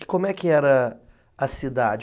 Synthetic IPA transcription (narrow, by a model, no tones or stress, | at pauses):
kõmʊɛkɪɛɾɐ | ɐsid̪ad͡ʒ